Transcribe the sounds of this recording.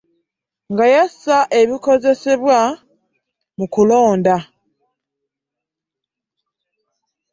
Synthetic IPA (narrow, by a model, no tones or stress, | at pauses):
ŋɡajasaʔe̞βiko̞ze̞se̞βwa | mukulo̞ːnda